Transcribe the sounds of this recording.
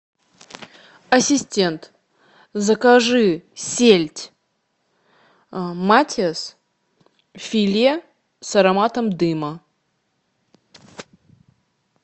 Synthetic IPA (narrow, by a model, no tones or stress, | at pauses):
ɐsʲɪsʲtʲe̞nt̪ | zɐkaʐɨsʲelʲtʲ | matʲes | fʲilʲjɛ | sɐɾɐmat̪əmd̪ɨmə